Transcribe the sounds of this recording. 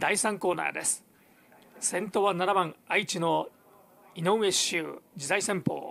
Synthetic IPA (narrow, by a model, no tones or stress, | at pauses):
d̪̥aisãŋko̞ːna̰ːd̪e̞sɨ̥ | sẽ̞nt̪o̞βanaɾabãŋait͡ɕino̞ | inoe̞ɕɯd͡ʑizaisẽ̞mpo̰ː